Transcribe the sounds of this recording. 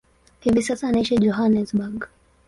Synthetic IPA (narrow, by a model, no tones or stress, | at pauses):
hivisasaːnaiʃid͡ʒɔɦanɛsbaɡ